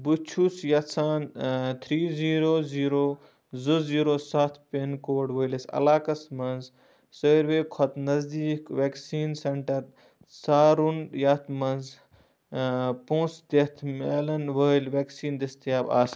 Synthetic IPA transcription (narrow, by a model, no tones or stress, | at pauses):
but͡ʃʰusjɐsaːnt̪ʰɾiːziːɾoːziːɾoː | zuziːɾoːsaːt̪ʰpenkoːɖʋəjlɐsɐ̰laːkɐsmɐnz | səːɾʋeːkʰɔt̪nɐzd̪iːkʋeːksiːnsɐɳʈɐɾ | saːɾunjɐt̪ʰmɐnz | põːsd̪et̪ʰmeːlɐnʋəilʋeːksiːnd̪ɐst̪jaːba̰ːs